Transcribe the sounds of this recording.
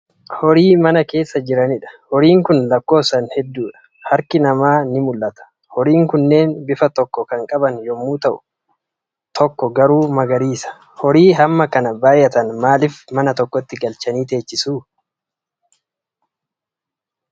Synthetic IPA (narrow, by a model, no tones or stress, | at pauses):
hɔɾiːmɐnɐke̞ːsːɐd͡ʒɪɾɐnɪᶑɐ̥hɔɾiːŋkʊnlɐkːo̞ːsɐnhɛd̪ːuːᶑɐ̥ | hɐɾkɪnɐmaːnɪmʊlːɐt̪ɐ̥ | hɔɾiːŋkʊnːe̞ːnbɪfɐt̪ɔkːɔkɐŋkʼɐbɐnjɔmːuːt̪ɐʔʊ | t̪ʰɔkːɔɡɐɾuːmɐɡɐɾiːsɐ̥ | hɔɾiːɦɐmːɐkɐnɐbaːjɐt̪ɐnmaːlɪfmɐnɐt̪ɔkːɔt̪ːɪɡɐlt͡ʃɐniːt̪e̞ːt͡ʃːɪsuː